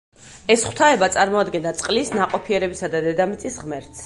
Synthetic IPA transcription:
ɛsχwt̪ʰaɛbat̪sʼaɾmɔad̪ɡɛnd̪at̪sʼqʼlisnaqʼɔpʰiɛɾɛbisad̪ad̪ɛd̪amit̪sʼisʁmɛɾt̪s

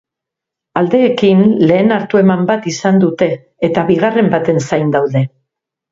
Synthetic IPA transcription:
ald̪e̞ːkinle̞ːnaɾt̪ue̞mambat̪isand̪ut̪e̞ː | t̪aβiɣ̞are̞mbat̪e̞nsajnd̪awðe̞

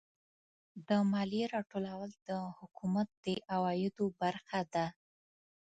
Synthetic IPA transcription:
d̪əmɑliɾɑʈolawald̪əhʊkumat̪̚d̪̥əʔawɑjɪd̪obaɾxad̪a

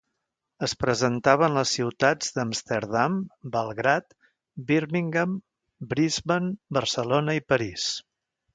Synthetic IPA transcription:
əspɾəzənt̪aβ̞ənləsːiwt̪ad͡zd̪əmst̪eɾðambəlˠɣɾat̪ | biɾmiŋɡəm | bɾizβənbəɾsəlonəipəɾis

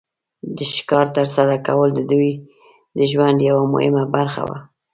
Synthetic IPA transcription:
d̪əʃkɑɾt̪əɾsaɾakawəld̪əd̪uj | d̪əʒwand̪jawamʊ̰hɪ̰mabaɾxa̰wa̰

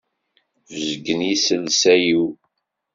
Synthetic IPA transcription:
vəzɡənisəlsæjiw

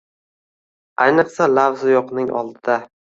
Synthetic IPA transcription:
ajnɨqsalavzɪjɒqnɪŋʔɒ̰lˠd̪ɪd̪a

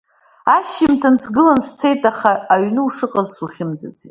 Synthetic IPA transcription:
aʃɪmtʰansɡɨlanst͡sʰe̞jtʼaχaːɥnɨuʂɨqʼazsuχʲɪmd͡zad͡zetʼ

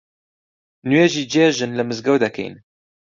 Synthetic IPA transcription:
nujeʒiːd͡ʒeʒɨnlɨmɨzɡɛwd̪ɛkɛ̰jn

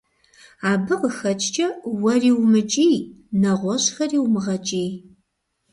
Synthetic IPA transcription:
aːbɨqəxɐt͡ʃʼt͡ʃʼɐwɐriːwmɨt͡ʃʼiːnɐʁʷɔɕxɐriːwmɨʁɐt͡ʃʼiːj

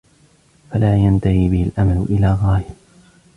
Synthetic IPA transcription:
falaːjant̪ahiːbɪhɪlʔamalʊʔɪlaːɣɑːja

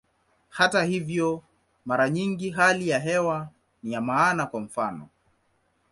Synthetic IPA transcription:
hatahivjɔ | maɾaɲiŋɡiɦalijaɦɛwa | nijamaːnakwam̩fanɔ̰

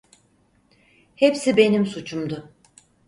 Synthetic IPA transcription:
hepsibe̞nimsut͡ʃʰumd̪ʊ

